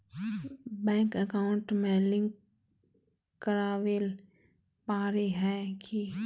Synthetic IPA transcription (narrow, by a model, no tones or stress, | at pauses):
bɛ̃ːŋkəkaːʊɳʈmẽlɪ̃ŋk | kəɾaːʋel | paːɾeɦɛːki